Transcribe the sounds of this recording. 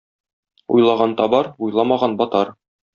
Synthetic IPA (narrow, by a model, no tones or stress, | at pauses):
ṵjlˠɑʁɑnt̪ɒbɑɾujlˠɑmɑʁɑnbɒt̪ɑɾ